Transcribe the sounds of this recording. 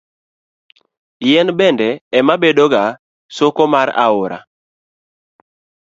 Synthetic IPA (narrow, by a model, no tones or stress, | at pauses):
jɛnbɛndɛːmabedoɡa | sokomaɾa̰ʊɾa̰